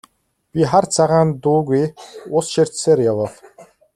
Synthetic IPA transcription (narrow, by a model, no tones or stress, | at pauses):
pʲiχart͡sʰaʁaːnt̪uːɣujʊsʃer̥ʲtseːɾjawəːɮ